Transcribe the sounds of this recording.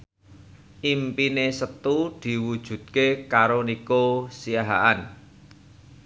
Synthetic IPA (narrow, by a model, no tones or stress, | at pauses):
ʔimpinesət̪ud̪̥i̤wud̥ʒ̥ṳd̪̚kekaɾonikosijaɦa̰ʔan